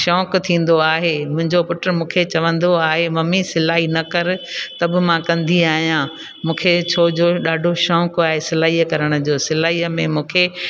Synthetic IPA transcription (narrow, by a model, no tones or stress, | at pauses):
ʃɔ̃ːkt̪ʰĩːn̆d̪oaːɦemʊ̃ɦɪ̃ɲd͡ʑopʊʈəɾmũːkʰet͡ɕɐʋə̃nd̪oaːɦemɐmisɪlaːɦinɐkɐɾɪ̆t̪ɐbɪ̆mãkɐ̃nd̪iaːɦijã | mũːkʰet͡ɕʰoːd͡ʑoɗaːɖʱoʃɔ̃ːkaːɦesɪlaːiəkɐɾəɽ̃ʊ̆d͡ʑoːsɪlaːiəmẽmũːkʰe